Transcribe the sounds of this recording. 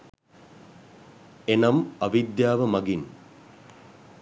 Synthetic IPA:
enɐmɐʋid̪jaːʋɐmɐɡin

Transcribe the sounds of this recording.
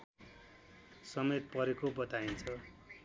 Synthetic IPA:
sʌmet̪̚pʌɾekobʌt̪aint͡sʰʌ

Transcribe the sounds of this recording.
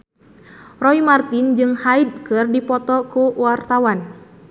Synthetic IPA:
rɔimart̪ind͡ʒɨŋhaid̚kɨrdipɔt̪ɔkuwart̪awan

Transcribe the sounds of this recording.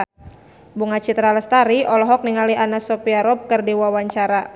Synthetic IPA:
buŋat͡ʃit̪ɾaləst̪aɾiɔlɔɦɔk̚niŋaliʔanasɔpiaɾɔb̚kərdiwawaɲt͡ʃaɾa

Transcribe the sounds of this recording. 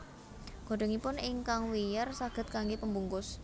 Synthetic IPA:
ɡ̥o̤ɖ̥əŋipʊnɪŋkaŋwijərsaɡ̥ə̤t̪̚kaŋɡepəmbuŋkʊs

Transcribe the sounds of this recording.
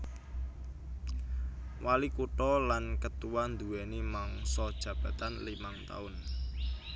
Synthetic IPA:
walikuʈɔlankət̪uwand̪uwɛnimaŋsɔd̥ʒ̥ä̤b̥a̤t̪anlimaŋt̪a̰ʊn

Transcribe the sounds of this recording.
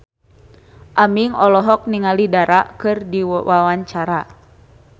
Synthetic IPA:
ʔamiŋɔlɔɦɔk̚niŋalidaɾaʔkɨrdiwawaɲt͡ʃaɾa

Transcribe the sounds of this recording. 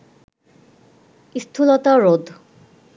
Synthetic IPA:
ist̪ʰulɔt̪aɾod̪ʱ

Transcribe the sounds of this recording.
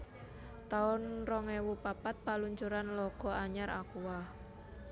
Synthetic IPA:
t̪aʊnrɔŋewupapat̪̚paluɲt͡ʃuɾanlɔɡ̥ɔ̤aɲaɾa̰kuwah

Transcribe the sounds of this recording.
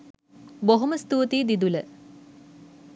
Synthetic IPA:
boɦoməst̪uːt̪iːd̪id̪ulə

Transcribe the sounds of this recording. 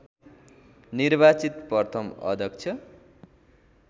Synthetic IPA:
nirbat͡sit̪pʌrt̪ʰʌmʌ̰d̪ʱʌk̚t͡sʰʌ

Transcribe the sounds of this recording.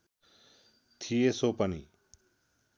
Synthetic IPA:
t̪ʰijesopənḭ

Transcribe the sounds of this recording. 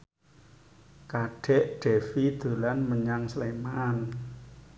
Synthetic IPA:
kaɖ̥ɛ̤ʔɖ̥ɛ̤fid̪̥o̤lanməɲaŋsleman

